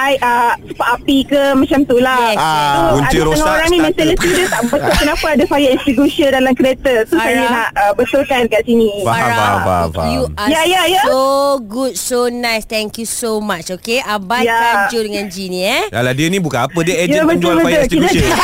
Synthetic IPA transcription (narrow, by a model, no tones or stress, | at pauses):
ʔajʔəsəpaʔapikəmãt͡ʃamt̪ulasuuadasəŋãoɾaŋnĩmɛ̃nt̪ələst̪idət̪aʔbət̪ʊlkənãpaːdafajaʔĩnst̪ɾiɡusiəndalamkɾiet̪ət̪usajanaʔəbət̪olkankaʔsinĩaa̰a̰a̰ujajajaoɡud̚sonajst̪ɛ̃ŋkjusomat͡ʃokeabajaad͡ʒudəŋãnd͡ʒinĩɛdaladiənĩbukanapədiəejabət̪ʊbəʊlita